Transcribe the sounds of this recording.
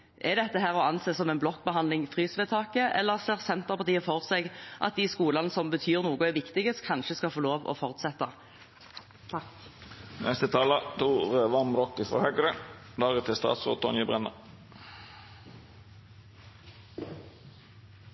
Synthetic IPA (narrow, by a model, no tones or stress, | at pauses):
ʔɛd̪ɛt̪ːəɦæːʁɔɑnseːsɔmɛːnblɔkːbəɦɑnd̪lɪŋfʁyːsʋeːt̪ʰɑːkəʔɛ̰lːəʁseːʁsɛnt̪əʁpʰɑʁt̪iːəfɔʁseɡʔɑ̰t̪̚d̪iːskuːlɑnəsɔmbət̪ʰyːʁnuːɡʊɛʋɪkt̪ɪɡəskʰɑnʃəskɑfoːloːʋɔ̰fɔʁt̪sɛt̪ːɑ | t̪ʰɑk | nɛst̪ət̪ʰɑːlət̪ʰuːɾəʋɑɾmɾɔkːɪfʁɔ̰hœɡəɾə | d̪ɑːʁət̪ʰɪst̪ɑ̰ːt̪sʁo̰ːt̪ʰɔ̰njəbʁɛnə